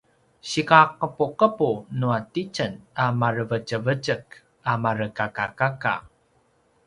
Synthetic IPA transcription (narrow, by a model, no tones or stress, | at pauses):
ɕikaqəpuqəpunuatit͡ʃənamaɾəvət͡ʃəvət͡ʃək | amaɾəkakakaka̰